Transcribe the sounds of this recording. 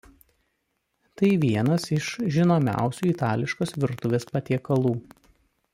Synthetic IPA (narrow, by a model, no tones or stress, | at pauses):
t̪ɐɪʋʲiɛnɐsɪʃʒʲɪnoːmʲæ̰ˑʊsʲuːɪt̪ɑːlʲɪʃkoːsʋʲɪɾt̪ʊʋʲeːspɐt̪ʲiɛkɐlˠuː